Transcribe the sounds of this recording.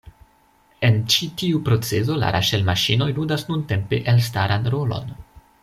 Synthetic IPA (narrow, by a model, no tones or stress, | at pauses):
e̞nt͡ʃitiupɾo̞t͡se̞zo̞la̰ɾa̰ʃelmaʃino̞jludasnunte̞mpe̞ʔelstaɾanɾo̞lo̞̰n